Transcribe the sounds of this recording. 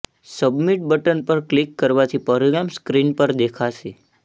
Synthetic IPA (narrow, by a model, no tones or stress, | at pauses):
səbmiʈ̚bəʈənpəɾklikːəɾʋat̪ʰipəɾiɾamskɾinpəɾd̪ekʰaʃe